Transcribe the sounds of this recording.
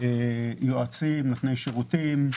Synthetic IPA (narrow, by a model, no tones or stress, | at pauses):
ejoat͡simlitnejʃeʁut̪im